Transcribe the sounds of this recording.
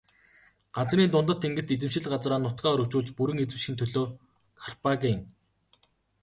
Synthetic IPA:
ɢ̥at͡sriːnt̪ʊnt̪ə̆t̪ʰːeŋɡɘ̆st̪et͡sɘ̆mʃɪ̆ɮɢat͡sraːnːʊt̪ɡæːœɾɵ̆kt͡ɕuːɮt͡ɕpuɾɘ̆ŋet͡sɘ̆ʃxĭnt̪ʰɵɮoː | kʰarpaɡiŋ

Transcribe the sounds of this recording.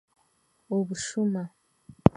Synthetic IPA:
oβuʃuma

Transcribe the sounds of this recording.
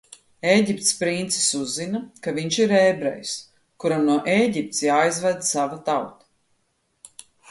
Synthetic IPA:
eːɟʲip̚t̪spɾint̪si̥suzːinakaviɲʃiɾɛːbɾɛ̰js | kuɾamnuɔʔeːɟip̚t̪sjaːjzvɛd̪savat̪awt̪ḁ

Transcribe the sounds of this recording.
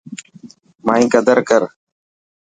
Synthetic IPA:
maːĩːkəd̪əɾkəɾ

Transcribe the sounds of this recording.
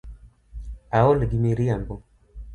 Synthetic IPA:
aɔlɡimiɾiambɔ

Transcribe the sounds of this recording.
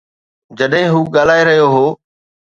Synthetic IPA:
d͡ʑɐɗɦɪ̃ɦuːɠaːl̤aːeɾɐɦjoɦoː

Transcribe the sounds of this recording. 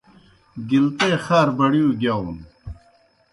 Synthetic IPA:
ɡilt̪eːxaːɾbɐɽijuɡjaːwun

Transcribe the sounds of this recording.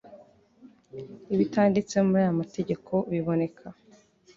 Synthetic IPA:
iβitaːndit͡se̞muɾaːjamate̞ɟe̞kʰo̞βiβo̞ne̞kʰa

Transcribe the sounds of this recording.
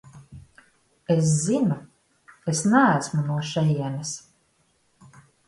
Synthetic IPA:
es̬zinu | esnææsmunuɔʃɛjɛnɛs

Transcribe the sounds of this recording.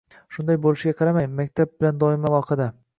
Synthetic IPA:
ʃʊnd̪ajbolɪʃɪɡʲaqʰɑɾamajmːakʲt̪ʰab̚bɪland̪ɒɪmavɒqʰɑd̪a

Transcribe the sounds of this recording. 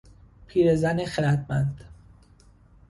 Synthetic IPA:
pʰiːɾezænexelæt̪̚ʰmænd̪̥

